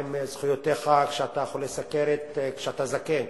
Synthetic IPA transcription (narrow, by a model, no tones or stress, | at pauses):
mzχujot̪eχakʃeat̪ajaχolːesakeɾet̪kʃeat̪azaken